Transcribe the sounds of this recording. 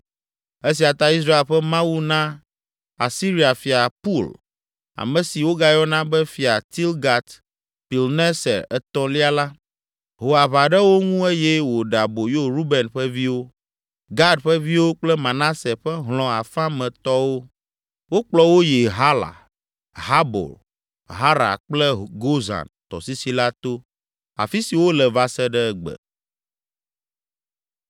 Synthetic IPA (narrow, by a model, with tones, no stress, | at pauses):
e˦s̬i˨a˨t̪a˦i˦s̬ɾa˦e˨lɸɛ˦mã˦wu˦nã˦ | a̰˨si˦ɾi˨a˨fi˨a˨pu˦˨l | a̰˨mɛ̃˨si˨wo˦ɡa˦jɔ˦nã˦bɛ˦fi˨a˨t̪i˦lɡa˨t̪ | pi˨lnɛ˦sɛ̰˨ɛ˨t̪ɔ̃˦li˦a˨la˦ | ɦo˨a˨βa˨ɖɛ˦wo˦ŋũ˦e˦jɛ˦wo˨ɖa˨bo˨jo˦ɾu˦bɛ˨nɸɛ˦vi˦wo˦ | ɡa˦ɖɸɛ˦vi˦wo˦k͡plɛ˦mã˨nã˦sɛ˨ɸɛ˦ɦlɔ̃˨a˨fã˦mɛ̃˨t̪ɔ˦wo˦ | wo˦k͡plɔ˦wo˦je˨ɦa˦la̰˨ | ɦa˦bo̰˨l | ɦa˦ɾa̰˨k͡plɛ˦ɡo˦za̰˨nt̪ɔ̰˨si˦si˦la˦t̪o˦ | a̰˨fi˦si˨wo˦lɛ˨va˨sɛ˦ɖɛ˦ɛ˦ɡ͡bɛ̰˨